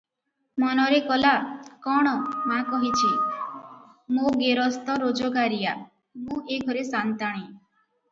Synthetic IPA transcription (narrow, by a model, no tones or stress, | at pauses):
mɔnɔɾekɔlakɔɽ̃ɔmakɔɦit͡ʃʰi | moɡeɾɔst̪ɔɾod͡ʒɔɡaɾija | mũeɡʱɔɾesant̪aɽ̃ĩ